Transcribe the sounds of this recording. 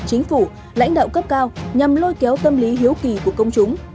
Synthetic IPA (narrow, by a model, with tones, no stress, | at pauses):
t͡ɕi˨˦ŋ̟fu˧˩ | la̰˧˥jŋ̟ɗa̰˧˨wŋ͡mkə˦˥p̚kaː˧wɲə˨˩mlo˧jkɛ˨˦wt̪ə˧mli˨˦ɦi˨˦əwki˧˨˩ku˧˩əkə˧wŋ͡mt͡ɕʊ˨˦ŋ͡m